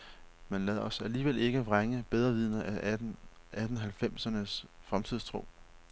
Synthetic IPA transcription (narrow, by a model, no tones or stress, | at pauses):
mænlæð̩̰ˠɒ̽sæliːʋele̝ɡ̥əʁaŋəb̥eð̞ˠʁɐʋið̞̰ˠnɐʔæʔ | ʔæd̥n̩ɦælfem̰sɐnəsfʁamt͡sʰið̞̰ˠst͡sʰʁo̝̰ː